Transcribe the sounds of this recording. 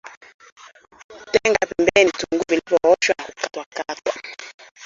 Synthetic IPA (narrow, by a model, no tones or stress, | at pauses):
tɛŋɡapɛmbɛnituŋɡuvilivɔɔʃwanakukatwakatwa